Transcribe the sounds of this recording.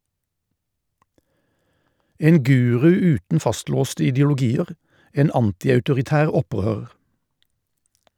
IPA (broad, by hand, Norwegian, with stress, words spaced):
ˈeːn ˈɡʉːʁʉ ˈʉːtn̩ ˈfɑstloːstə ɪdəʊlʊˈɡiːəʁ ˈeːn ˈɑntɪɑʉtʊʁɪˌtæːʁ ˈɔˌpʁøːʁəʁ